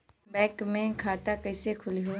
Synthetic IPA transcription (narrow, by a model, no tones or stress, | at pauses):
bɛːkmẽkʰaːt̪akɛɦsekʰʊliɦo